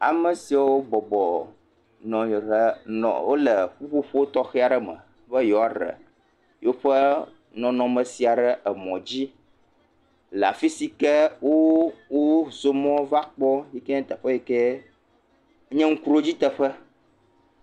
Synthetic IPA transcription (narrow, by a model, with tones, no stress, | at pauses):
a̰˨mə˨si˨a˨wo˦bɔ˨bɔ˨ | nɔ̃˨jɦə˦nɔ̰̃˨wo˦lə˨ɸu˦ɸo˦ɸo˦wo˦t̪ɔ˦xɛ˦a˨ɖə˦mə̰̃˨ | ɸə˦jɔ˨a˨ɾə̰˨ | jo˦ɸə˦ | nɔ̃˨nɔ̃˨mə̃˨si˨a˨ɖə˦ə˨mɔ̃˨d͡ʑi˦ | la̰˨fi˦si˦kɛ˦wo˦wo˦zo˦mɔ̃˦va˦k͡pɔ˦ji˦kɛ˦ɛ̃˦t̪ə˨ɸə˦jɛ˦kɛ˦ | ɲɛ̃˦ŋ̩˦ku˦ɾo˦d͡ʑi˦t̪ə˦ɸə˦